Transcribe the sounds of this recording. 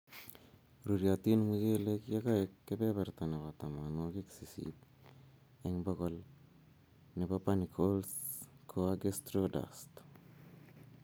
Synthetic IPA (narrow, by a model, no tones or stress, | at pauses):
ɾuɾjat̪inmud͡ʒelekjakaekːepepeɾt̪aneβat̪amanokiksisḭt | eŋbakol | nepapanikʰolskʰoaɡest̪ɾoda̰st